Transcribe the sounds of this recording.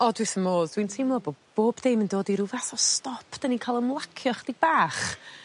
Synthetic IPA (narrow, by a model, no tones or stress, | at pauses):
ɔdwɪθəmoːðdwintʰɪmɔbob̥oːbdejməndoːdiɾuvaθɔstɔpʰd̥ənikʰalˠəmlˠakʰjɔχəd̥iɡ̚baːχ